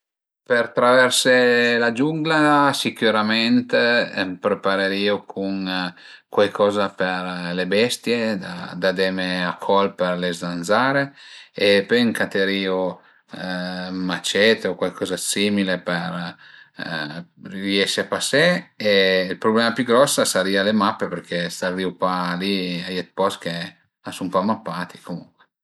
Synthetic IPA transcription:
pert̪ɾavɛrselad͡ʒuŋɡlasikjuɾamɛnt̪pɾepaɾeɾiːokʰuŋ | kwajkʰɔːzapeɾlebɛst̪jed̪ad̪ad̪ɛmeakʰɔlpeɾlezd̪anzaɾeepeŋkat̪eɾiːo | mat͡ʃɛt̪eokwajkʰɔːzasimilepeɾ | riɛʃeapaseeilpɾoblɛːmapjuɡɾɔsːasaɾiːalemapːepeɾk̟ʰesariupaliajet̪̚pɔsk̟e | asumpamːapːaːt̪i̥komuŋkwe

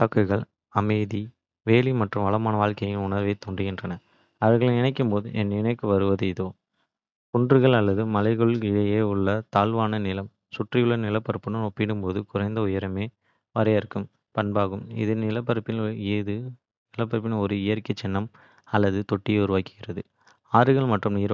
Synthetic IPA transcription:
t̪aːkːɯɣɐɭ | ɐmɐɪði | ʋeːlimɐʈrɯmʋɐɭɐmaːnɐʋaːɭkɐjɪnʊɳɐɾʋeːt̪uːɳɖɪɣɪndrɐnɐ | ɐʋɐɾɣɐɭɯɪnɐɪkːɯmpoːðɯ̰ʔɛnːɪnɐkːɯʋɐɾɯʋɐðɯɪðoː | kʊɳdrɯɣɐɭɐlːɐðɯmɐlɐɪɣɐɭɪlɐjeːʊɭːɐt̪aːɭʋaːnɐnɪlɐm | sʊʈrɪjɯɭːɐnɪlɐpːɐɾɯpːɯnɯnɔpːɪɽɯmpoːðɯkʊrɐɪnd̪ɐʊjɐɾɐmeː | ʋɐɾɐjɐɾɯkːɯm | pɐɳbaːɣɯmɪ̰ðɯnɪlɐpːɐɾɯpːɪnːðɯ | nɪlɐpːɐɾɐp̬ːɪnɔɾɯɪjɐɾkːɐt͡ʃːɛnːɐm | ɐlːɐðɯt̪ɔʈːɪjeʊɾɯʋaːkːɯɣɪrɐðɯ | aːɾɯɣɐɭmɐʈrɯmniːɾ

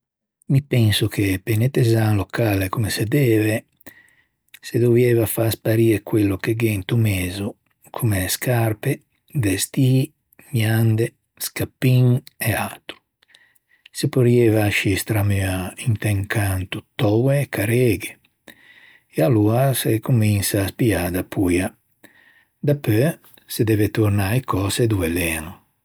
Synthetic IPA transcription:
mipɛnsukʰepenet̪ezaŋlokalekumesed̪ɛːve | sed̪ovjɛvafaspaɾiːɾekwelːokeɡent̪umeːzu | kʰumeskʰaɾpe | d̪est̪iː | mjand̪e | skapːiŋeat̪ɾu̥ | sepoɾjevaʃist̪ɾamyaint̪eŋkʰant̪ut̪ɔwekʰaɾeɡe | ealuasekuminsaːspiaːd̪apʰuja | d̪apø | sed̪ɛvet̪uɾnajkɔsed̪uelenu

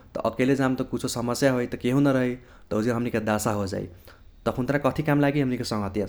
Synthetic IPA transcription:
t̪ʌ̰ʔʌkeled͡zamt̪okut͡sʰosʌmʌsjaɦojt̪ʌkeɦõnʌɾʌɦej | t̪ʌɦud͡zerɦʌmnikad̪asaɦod͡za̰j̰t̪ʌpʰunt̪ɾãkʌt̪ʰikamlaɡiɦʌmnikosʌŋɦʌt̪ja

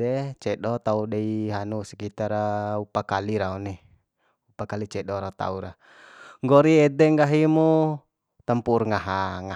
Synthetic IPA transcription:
ɛt͡ʃɛɗɔt̪audɛiɦanusɛ̥kit̪aɾaupakaliɾauni | upakalit͡ʃɛɗɔɾat̪a̰uɾa | ŋɡɔɾiɛdɛŋɡaɦimu | t̪əmpurŋaɦaŋa

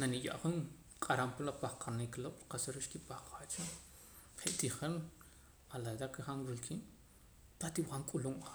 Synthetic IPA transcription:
nanija̰ʔχuŋ | qʼaɾampalapaχqʰanikloʔɾiqasaɾiʃkipaχqat͡ʃa | χeʔt̪iχen | alajd̪akeχanwilkʰiːn | pat̪iwχaŋkʼuluma

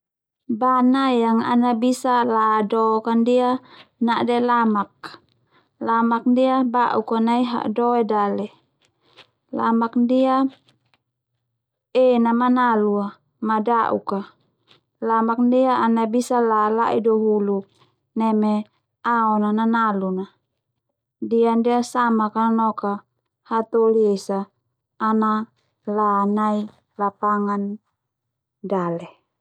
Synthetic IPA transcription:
banajaŋa̰nabisaladɔkandianaʔdɛlamak̚ | lamak̚ndiabaʔukanaiɦa̰ʔdɔɛdalɛ | la̰mak̚ndia | enamanalua | madaʔṵka | lamak̚ndiaːnabisalalaʔidɔɦulu | nɛmɛ | aɔnananaluna | diandiasamakanɔka | hat̪oliesaː | na | lanai | lapaŋan | dalɛ

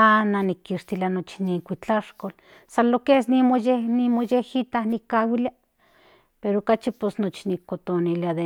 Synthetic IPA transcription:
ananikːiʃt̪ilanot͡ʃi̥niŋkʷit͡ɬaʃkol | salokesnimojenimojehit̪ahnikːawilja | peɾoːkat͡ʃiposnot͡ʃinikːot̪oniliaðe

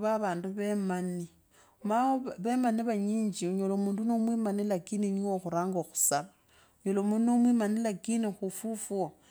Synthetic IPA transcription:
βaβaːnduβemani | maoβemaniβaɲiːɲd͡ʒiuɲolomuːndunomwimanilakininiŋoxuɾaːŋɡoxu̥saβa | uɲolomudunomwimanilakinixufufuo

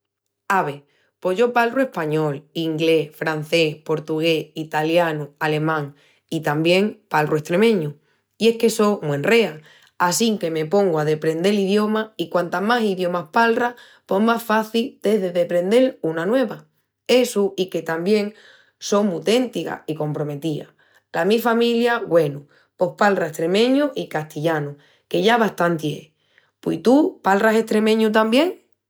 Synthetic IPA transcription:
aβe̞ | po̞ɦʝo̞palrue̞hpaɲo̞liŋɡle̞fɾan̟θe̞spo̞ɾt̪uɣ̞eit̪aljanuale̞mãŋ | it̪ambje̞ŋpalrue̞st̪ɾe̞mẽ̞ɲu | ie̞hke̞so̞mwe̞nre̞a | asiŋke̞me̞po̞ŋɡoaðe̞pɾe̞nd̪e̞liðjo̞maikwant̪amasiðjo̞mahpalra | po̞ɦmasfaθild̪e̞ɦðe̞ðe̞pɾẽ̞nd̪e̞lunanwe̞βa | e̞suike̞t̪ambje̞ŋ | so̞ŋmut̪e̞nt̪ika̰iko̞mpɾo̞me̞t̪ia̰ | lamifamiljaɣwe̞nu | po̞hpalraeht̪ɾe̞mẽ̞ɲuʔikaht̪iʎanu | ke̞ʝaβaht̪ant̪jḛ | pḭt̪upalrase̞ht̪ɾe̞mẽɲut̪ambje̞ŋ

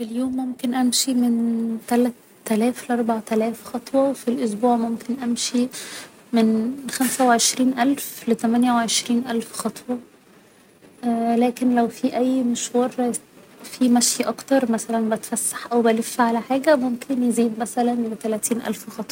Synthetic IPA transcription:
filjoːmːomkenʔæmʃiment̪ælæt̪ːælæːfleʔɑɾˤbaʕt̪ælæːfxɑt̪ˤwɑwefilʔosbuːʕmomkenʔæmʃi | menxæmsæweʕeʃɾiːnʔælflet̪æmænjæweʕeʃɾiːnʔælfxɑt̪ˤwɑ | ʔlæːkenlæwfiːʔæjːmeʃwɑːɾˤ | fiːmæʃjʔɑkt̪ɑɾˤmæsælænbæt̪fæsːḁħʔæwbælefːiʕalæħaːɡæmomkʰenjeziːd̪mæsælænlet̪ælæːt̪iːnʔæ̰lfxɑt̪ˤwɑ

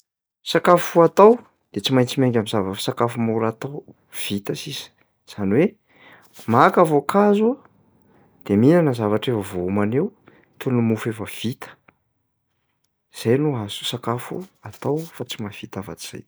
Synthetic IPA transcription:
sakafuat̪aw | d̪̥et͡simajnt͡simeŋɡʲamizavəsakafumuɾat̪aw | v̥it̪əsisi̥ | z̥aniwe | makavokʰazua | d̪̥eminanəzavaʈ͡ʂefəvoumanew | t̪ulnumufefəv̥it̪ə̥ | z̥ajnuɦasu̥sakafṵat̪awfat͡simav̥it̪ava̰t͡s̪i̥z̥a̰j

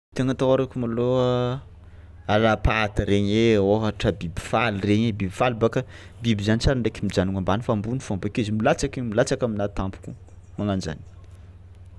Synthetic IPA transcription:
t̪eŋət̪awaɾakʲumaloa | alapat̪əɾeɲeoɦaʈ͡ʂəbibi̥falireɲebibifalibaka | bibizanit͡saɾaɳɖ͡ʐekimid͡ʒanuŋambanifambunifambekizimilat͡sakimilat͡sakaminat̪ampu̥kʲu | maŋand͡ʒa̰ni̥

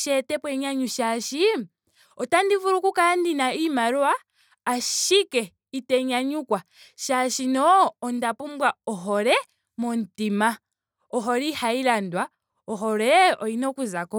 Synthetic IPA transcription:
ʃɛtɛpwɛɲaɲuʃaʃi | ɔtandivuɾukukandinaimaɾwaː | ʃikɛ | itɛɲaɲukwa | ʃaʃinɔːndapumbwaɔɦɔɾɛ | mɔntima | ɔɦɔɾihailandwa | ɔɦɔɾɛɔinɔkuzakɔ

